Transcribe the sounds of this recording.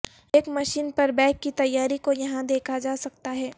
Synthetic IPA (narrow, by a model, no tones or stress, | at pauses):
eːkmɐʃiːnpɐɾbɛ̃ːkːit̪ɐjːaːɾikojɐɦãd̪eːkʰad͡ʒaːsɐk̚t̪aɦɛː